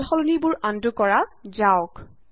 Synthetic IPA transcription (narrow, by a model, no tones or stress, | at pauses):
lxɔlunibʊɹʔandʊkɔɹazaʊk